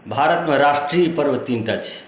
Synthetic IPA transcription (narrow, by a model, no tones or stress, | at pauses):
bʱaɾət̪mẽɾasʈɾijpəɾʋət̪inʈat͡ʃʰi̥